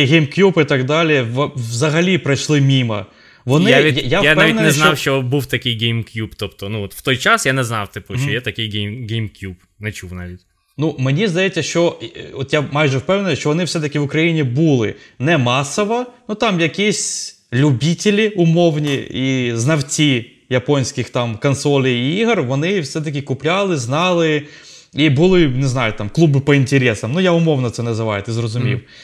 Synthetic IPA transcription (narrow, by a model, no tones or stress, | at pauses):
ɦʲejmkjupɪt̪ɐɡd̪ɑlʲijɛʋʋzɐɦɐlʲipɾɐjʃlˠɪmʲimɐ̰ | ʋɔnɪjjajanpaʋʲinnʲnɛznɔwʃt͡ʃɔbuwt̪ɐkʲɪjɡʲejmkʲjupt̪ɔpt̪ɔnuɔt̪w̥t̪ɔjt͡ʃasjanɛznɑwt̪ɪpɔʃt͡ʃɔjɛt̪ɐkʲɪjɡʲɛɡʲɛjmkʲjup | nɛt͡ʃuwnaʋʲitʲ | numenʲizd̪ɐjetʲt͡sʲːɐʃt͡ʃɔɔt̪jamɑjʒɛwpɛwnenʊʃt͡ʃɔʋɔnɪwsɛt̪ɐkʲɪʋʊkɾɐjinʲibulˠɪ̰nɛmɑsɔʋɐnut̪ɑmjɐkʲisʲ | lʲubʲitʲɪlʲiʊmɔwnʲiiznɐwt͡sʲi | jɐpɔnʲsʲkɪxt̪ɑmkɔnsɔlʲijiɦrʋɔnɪwsɛt̪̬ɐk̬ʲɪkʊplʲɑlˠɪznɑlˠɪ | ibʊlˠɪnɪznɑjʊt̪ɑmklˠubɪpɔinʲtʲeɾʲɛsɐmnujaʊmɔwnɔt̪sɛnɛzɪʋɑjɛt̪ɪzrɔzʊmʲḭw